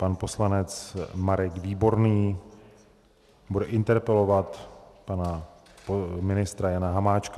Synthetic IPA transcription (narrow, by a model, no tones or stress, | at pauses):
panpo̞slanɛt͡smaɾɛkviːbo̞ɾniː | budɛʔɪnt̪ɛɾpɛlo̞vat̪pana | pomɪnɪst̪ɾajanaɦamaːt͡ʃka